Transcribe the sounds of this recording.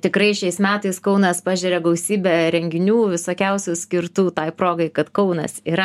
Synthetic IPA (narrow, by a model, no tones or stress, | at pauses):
t̪ʲɪkɾɐɪʃʲɛɪsmʲæːt̪ɐɪskɐʊnɐspɑːʒʲɛɾʲɛɡɐʊsʲiːbʲɛɾʲɛŋʲɡʲɪnʲuːʋʲɪsoːkʲɛʊsʲuːsʲkʲɪɾt̪uːt̪ɑɪpɾoːɡɐɪkɐt̪kɐʊnɐ̰siːɾɐ